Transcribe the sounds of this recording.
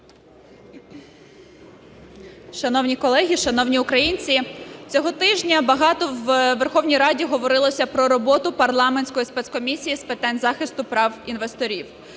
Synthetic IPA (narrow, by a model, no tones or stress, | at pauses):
ʃɐnɔwnʲikɔlˠɛɦʲiʃɐnɔwnʲiʊkɾɐjinʲt͡sʲit͡sʲɔɦɔt̪ɪʒnʲɐbɐɦɑt̪ɔwʋerxɔwnʲijɾɑdʲiɦɔʋɔɾɪlˠɔsʲɐpɾɔɾɔbɔt̪ʊpɐrlˠɑmenʲsʲkɔjispɛt̪skɔmʲisʲijispɪt̪ɑnʲzɑxɪst̪ʊpɾɑwinʋest̪ɔɾʲiw